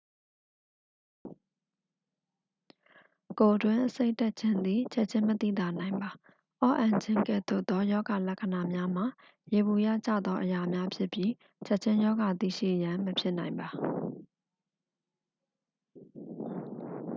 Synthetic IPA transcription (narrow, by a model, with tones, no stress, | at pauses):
ko˨dwɪ̃˦ʔəse˦ɪtɛ˦ʔ̚t͡ɕʰɪ̃˦nd̪i˦˨t͡ɕʰɛ˦ʔ̚t͡ɕʰɪ̃˦mət̪ḭ˦˨d̪a˨nã˨ɪ̃mba˨ | ʔɔ˦ʔã˨ɲt͡ɕʰɪ̃˦ŋkɛ̰˦˨t̪ʊ̰˦t̪ːɔ˦jɔ˦ɡa˨lɛ˦ʔkʰə˨na˨mja˦m̥a˨ | je˨bu˨ja˦˨t͡ɕa̰˦˨d̪ðɔ˦ʔəja˨mja˦pʰjɪ˦˨pji˦ | t͡ɕʰɛ˦ʔ̚t͡ɕʰɪ̃˦jɔ˦ɡa˨t̪ḭ˦˨ʃḭ˦˨jã˨məpʰjɪ˦ʔnã˨ɪ̃mba˨